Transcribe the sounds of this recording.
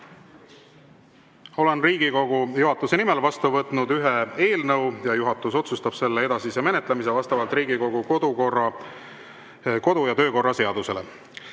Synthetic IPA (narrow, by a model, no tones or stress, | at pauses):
o̞le̞nriːɡ̥iko̞ɡ̥ujuɦɑt̪ːˑuse̞nimelvɑst̪uvɤt̪ˑnud̪yɦee̞ːlnɤwjɑjuɦɑt̪ːˑuso̞t̪sust̪ɑb̥se̞lːee̞d̪ɑsiseme̞net̪ˑlemis̬evɑst̪ɑvɑlt̪ˑriːɡiko̞ɡukod̪̥ukorɑ | ko̞d̪ujɑt̪ø̞ːko̞rːɑse̞ɑd̪̥use̞le̞̰